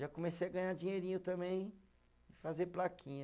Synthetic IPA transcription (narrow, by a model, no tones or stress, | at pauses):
ʒakõmesejɐɡɐ̃ɲad͡ʒĩɲeɾĩɲʊt̪ɐ̃mbẽj̃ | ɪfazeɾplakʰĩɲɐ